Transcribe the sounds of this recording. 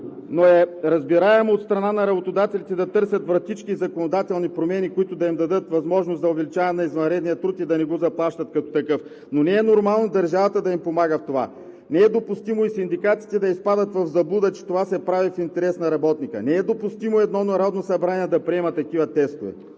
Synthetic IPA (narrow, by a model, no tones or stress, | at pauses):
noɛɾɐzbiɾaɛmot̪st̪ɾɐnanɐɾɐbot̪od̪at̪ɛlit̪ɛd̪ɐt̪ɤɾsʲɐt̪vɾɐt̪it͡ʃkizɐkonod̪at̪ɛlˠnipɾomɛnikoit̪ʊd̪ɐimd̪ɐd̪ɤt̪vɐzmɔʒnosd̪ɐovɛlit͡ʃavɛnɐizvɐnɾɛd̪nijət̪ɾut̪id̪ɐnɛɡozɐplˠaʃt̪ɐt̪̚kɐt̪o̥t̪ɐkɤf | nonɛɛnoɾmalˠnod̪ɐɾʒavət̪əd̪ɐimpomaɡəft̪ova̰ | nɛɛd̪opʊst̪imoisind̪ikat̪si̥t̪ɛd̪ɐispad̪ət̪vɐvzɐblˠud̪ət͡ʃɛ̥t̪ovasɛpɾavifint̪ɛɾɛsnɐɾɐbɔt̪nikə̰nɛɛd̪opʊst̪imoɛd̪nɔnɐɾɔd̪nosɐbɾaniɛd̪ɐpɾiɛmɐt̪ːɐk̟ivɐt̪ɛst̪ovɛ̰